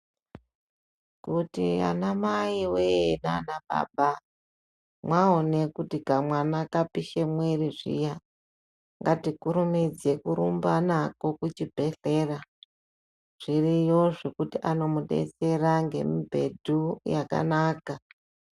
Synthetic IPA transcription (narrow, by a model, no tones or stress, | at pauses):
kutia̰namaiwena̰naɓa̰ɓa | mwaone̞kutikamwanakapiʃemweriʐḭja | ŋɡatikuɾumid͡ze̞kuɾumbanako̞kut͡ʃibʱe̞ɬe̞ra | ʐ̥irijo̞ʐe̞kutiʔano̞muɗḛt͡se̞raŋɡe̞̰mibʱe̞dʱujaka̰naːka